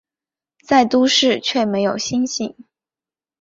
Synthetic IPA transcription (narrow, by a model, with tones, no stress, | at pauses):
t͡sa˥˩ɪt̪u˥ʂɻ̩˥˧t͡ɕʰɥɛ˥˩me˧˥ɪjo˨˩ʊɕi˥nɕi˥˩ŋ